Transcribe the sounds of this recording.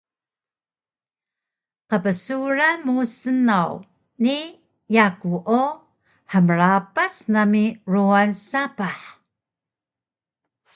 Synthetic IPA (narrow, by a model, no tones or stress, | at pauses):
qəpəsuɾamusənaw | ni | jakuʔo | ħəməɾapasnamiruansapaħ